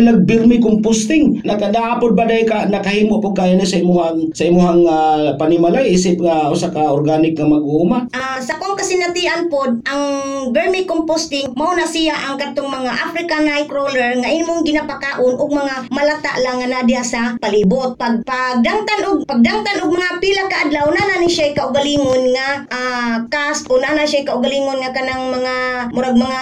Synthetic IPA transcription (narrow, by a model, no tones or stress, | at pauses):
naɡ̚bɛɾmɪkʊmpost̪ɪŋnakad̪aaːpʊt̪̚bad̪ajɪkanɐkahiːmoʔpʊɡ̚kaːjanasaimʊhaŋsaimuɦaŋapanɪmalajʔiːsɪp̚ŋaʔʊsakaoɾɡanɪkŋamɐɡuumaʔasakoŋkasɪnat̪ɪʔanpod̪̚ʔaŋbɛɹmɪkompost̪ɪŋmaʊnasijaʔaŋkat̪oŋmɐŋaʔafɾɪkanajkɾolɛɹŋaʔɪnmʊŋɡɪnapakaʔʊnʊɡ̚mɐŋamalat̪a̰ʔlaŋːanad̪ɪhasapalibʊt̪̚paɡ̚paɡ̚d̪aŋt̪anʔʊɡ̚paɡ̚d̪aŋt̪anʊɡ̚maŋapilakaʔad̪lawnananɪʃajkaʔʊɡaliːŋonŋaʔakast̪ʔonanaʃajkaʔʊɡaliːŋonŋakanaŋmaŋamʊɾaɡ̚maŋa